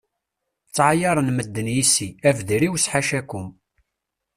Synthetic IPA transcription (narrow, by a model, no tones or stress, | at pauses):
t͡sːʕajɑɾˤənməd̪ːənjisiævðiɾiwsħaʃækːʊm